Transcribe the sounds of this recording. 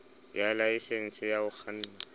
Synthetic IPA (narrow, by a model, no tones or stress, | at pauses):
jalaɪsen̩sɪjaʊk͡xʰan̩ːna